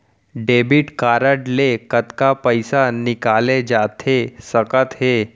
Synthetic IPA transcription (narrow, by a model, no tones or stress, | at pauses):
ɖebiʈkaɾəʈlekət̪kapəjsanikaled͡ʑat̪ʰesəkət̪ɦe